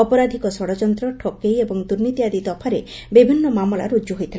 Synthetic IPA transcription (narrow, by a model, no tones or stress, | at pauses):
ɔpɔɾad̪ʱikɔsɔɽɔd͡ʒɔnt̪ɾɔʈʰɔkejebɔŋd̪uɾnit̪iad̪id̪ɔpʰaɾebibʱinːɔmamɔla̰ɾud͡ʒuɦojt̪ʰil